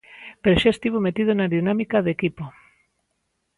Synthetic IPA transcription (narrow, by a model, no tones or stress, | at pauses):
peɾʃest̪iβomet̪iðonaðinamikaðekipo